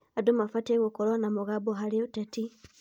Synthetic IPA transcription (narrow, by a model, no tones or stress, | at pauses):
adumafateɣokolwanamoɣaboɦaliutati